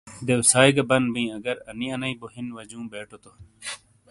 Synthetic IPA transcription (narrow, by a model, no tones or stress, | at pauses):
d̪ewsaːjɡɐbɐnbĩːɐɡɐɾɐniɐnɐiboɦinʋɐd͡ʑũːbeːʈʰot̪o